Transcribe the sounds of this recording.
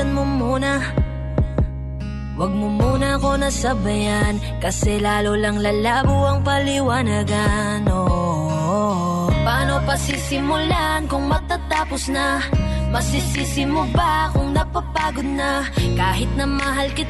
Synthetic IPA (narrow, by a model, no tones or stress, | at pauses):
ɐnmomuːnɐ | wɐɡ̚momuːnɐɐko̞nɐsɐbɐjan | kɐsɛlaːlolɐŋlɐlaːbʊʔɐŋpɐlɪwaːnaɡɐ | no | paːno̞pɐsisɪmʊlaʔnkʊŋmɐt̪at̪aːposnɐmɐsɪsisɪmʊbakʊŋnɐɡ̚pɐpaːɡod̪̚nɐkaːɦɪt̪̚nɐmɐɦalkɪ